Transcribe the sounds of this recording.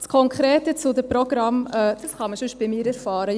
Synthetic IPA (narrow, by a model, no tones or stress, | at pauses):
t͡skʰɔŋkʰχɾeːtət͡sʊd̪əpɾɔɡ̥ɾɑmœd̥ɑsχɑməsʏʃ̚b̥ɪmiːɾəsfɑːɾə